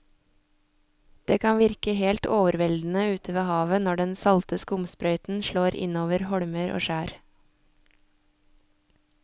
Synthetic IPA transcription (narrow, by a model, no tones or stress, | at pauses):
d̪̥eːkʰɑnʋɪɾkəheːlt̪oːʋəɾʋɛld̪n̩əʉːt̪ʰəʋeːhɑːʋənɔɖɛnsɑlt̪əskʊmspɾœʏt̪n̩ʃɭoːɾʔɪ̰noːʋəɾhɔɽməɾʔo̰ːʃæːɾ